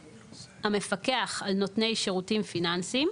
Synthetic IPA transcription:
hame̞fakeaχalnotne̞jʃeʁutimfinansim

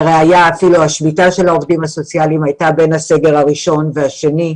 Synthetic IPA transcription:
ʁeajaːfiluaʃmitaʃe̞lhao̞vdimhaso̞t͡sialimajtabe̞nhase̞ɡeʁaʁiʃo̞nveaʃe̞ni

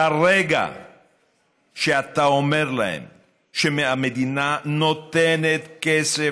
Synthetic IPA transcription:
aʁeɡa̰ | ʃeat̪aomeʁlahḛm | ʃemeamed̪inanot̪enet̪kese

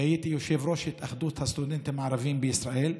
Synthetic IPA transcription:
ajiːt̪ijʊʃeːvɾoːʃɪt̪ʔaxd̪uːt̪hast̪ʊd̪ɪnt̪maʕɾˤɑviːmbɪʔɪsɾˤɑʔiːl

